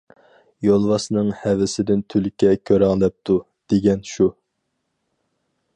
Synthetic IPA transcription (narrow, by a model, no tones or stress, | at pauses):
jolˠwɑsnɨŋhɛvɪsɪd̪ɪnt̪ʰylkʲɛkʲʰøɾɛŋlˠɛp̚t̪ʰu | d̪̥eɡʲɛnʃu